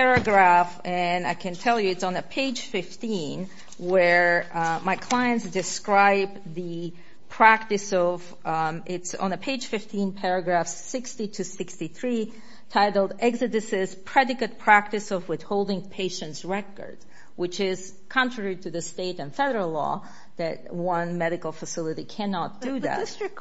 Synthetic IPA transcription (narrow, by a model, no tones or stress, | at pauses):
pɛɹɨɡɹæfɨ̃naɪkʰɨ̃ntʰɛlˠjʉɨtsn̩ɨpʰeɪd̥ʒ̥fɪftĩn | wə˞maɪkʰl̥aɪɨ̃ntsd̥ɨskɹaɪb̚ | ðɨ | pʰɹ̥æk̚tɨsʌv | ʔɪtsn̩əpʰeɪd̥ʒ̥fɪftĩnpʰɛɹɨɡɹæfsːɪkstiɾɨsɪkstiθɹi | tʰaɪɾl̩ˠdɛɡzɨɾɨsɪz̥pʰɹ̥ɛɾɨkɨt̚pʰɹ̥æk̚tɨsʌvwɪð̥hoʊlˠdɪ̃ŋpʰeɪʃɨ̃ntsɹɛkə̰˞d̚ | wɨt͡ʃɪz̥ | kʰɑ̃ntʰɹ̥ɛɹiɾɨðɨsteɪɾɨ̃nfɛɾə˞əl̩ˠlɔ̰ | ðɨt̚wʌ̃nmɛɾɨkl̩ˠfəsɪlˠəɾikʰænɑt̚d̥ɨððæ̰t